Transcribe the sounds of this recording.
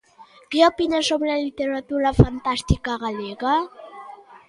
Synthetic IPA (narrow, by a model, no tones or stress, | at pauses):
keopinasomlalit̪eɾat̪uɾafant̪ast̪ikaɣaleɣa